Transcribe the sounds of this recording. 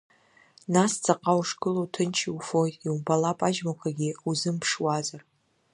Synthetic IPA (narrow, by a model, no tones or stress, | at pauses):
nast͡sʰʼaqʼawʂkʼɨlowtʰɨnt͡ʃʰiufojtʼiwbalapʼaʒmaqʷʰaɡʲiuzɨmpʰʂwazar